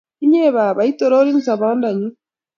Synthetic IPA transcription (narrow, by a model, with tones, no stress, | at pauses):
i˦ɲe˦βa˨βa˨i˦to˨ɾo˦ɾi˦nsa˨βa˦nda˨ɲu˦